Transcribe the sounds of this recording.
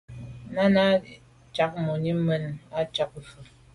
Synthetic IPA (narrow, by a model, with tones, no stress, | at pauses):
na˦na˦ | t͡ʃa˦k̚mo˨ɲi˦mə˦na˦t͡ʃa˦k̩˨fə˨